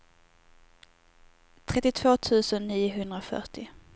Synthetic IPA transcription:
t̪ʰɾɛt̪ːɪt̪ʰv̥oːt̪ʰʉ̟ːsənːiːʊɦɵnd̪ɾafœ̰ʈɪ

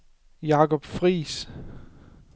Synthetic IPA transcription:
jɑ̈kɒb̥fʁḭːs

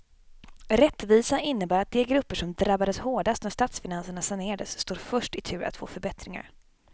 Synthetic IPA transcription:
ɾɛt̪ːviːsaɪnːəbæːɾat̪̚d̪ɛːɡɾɵpːəʂɔmd̪ɾabːad̪əshoːɖast̪næʂt̪at̪sfɪnansəɳasaɳeːɾad̪əsːt̪uːɾfœʂʈɪt̪ʰʉ̟ːɾa̰t̪fo̰ːfœɾbɛt̪ɾɪŋa̰ɾ

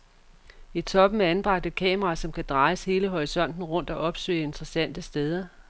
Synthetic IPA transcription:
it͡sʰɒ̽b̥m̩ænb̥ʁɑ̈ɡ̥̚d̥e̥kʰɛ̰ːməʁɑ̈ːsɒ̽mkʰæd̥ʁɑ̈ɪshe̝ːləɦɒʁisɒ̽n̰d̥n̩ʁɔ̽n̰d̥ɒ̽ʔɒ̽b̥sø̰ːe̝nd̥ʁɐsæn̰d̥əsd̥eð̞ˠɐ

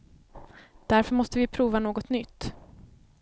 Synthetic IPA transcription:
d̪̥æɾfœɾmɔst̪əvɪpʰɾuːvanoːɡɔt̪nʏt̪ː

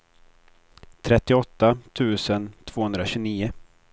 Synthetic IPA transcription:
t̪ʰɾɛt̪ːɪɔt̪ːat̪ʰʉ̟ːsənt̪ʰv̥oːhɵnd̪ɾaɕʉːniːʊ

